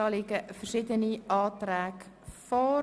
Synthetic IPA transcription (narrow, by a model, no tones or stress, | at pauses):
ɑːlɪɡəfərʃɪdəniɑːtræːk | fɔ